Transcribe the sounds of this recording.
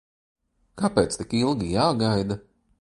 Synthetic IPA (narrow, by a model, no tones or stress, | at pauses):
kapeːt̪st̪ikilˠɡijaːɡajd̪a